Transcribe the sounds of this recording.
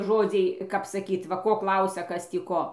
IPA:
ˈʒoːd͡zʲɛɪ kɐp sɐˈkʲiːt ʋɐ ˈkoː ˈklˠɐʊsʲɛ ˈkɐs tʲiː ˈkoː

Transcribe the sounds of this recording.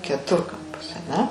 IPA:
kʲɛˈtʊrkɐmpɐs ɐˈnʲɛ

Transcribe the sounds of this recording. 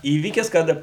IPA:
ˈiːʋʲiːkʲɪs ˈkɐt

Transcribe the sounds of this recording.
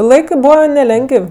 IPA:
ˈlˠɐɪkɜ ˈbuːʋɐ nʲɛˈlʲɛŋɡəw

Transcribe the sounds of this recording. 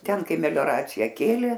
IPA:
ˈtʲɛn ˈkɐɪ mʲɛlʲoːˈrɑːt͡sʲɪjɛ ˈkʲeːlʲeː

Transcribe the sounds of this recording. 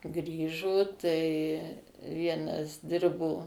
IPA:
ˈɡrʲiːʒoː ˈtɐɪ ˈʋʲiɛnɐs ˈdʲɪrboː

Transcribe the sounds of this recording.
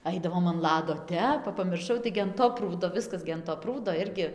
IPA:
ˈɐɪdɐʋoːm ɐn ˈlˠɑːdoː ˈtʲɛp ˈʋɐ pɐmʲɪrˈʃɐʊ ˈtɐɪɡʲɪ ɐn ˈtoː ˈpruːdoː ˈʋʲɪskɐs ɡʲɪ ɐn toː ˈpruːdoː ˈɪrʲɡʲɪ

